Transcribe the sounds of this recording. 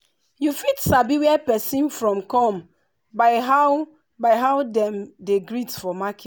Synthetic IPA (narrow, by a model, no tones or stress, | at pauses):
jufitsabiwɛpɛsĩnfɹɔ̃mkɔ̃m | baɪɦa | baɪɦaʊdɛ̃mdeɡɹitfɔmaki